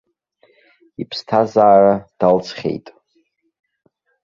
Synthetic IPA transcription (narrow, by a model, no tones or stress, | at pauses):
ipʰstʰazaːrad̥alt͡sʰχʲḛjtʼ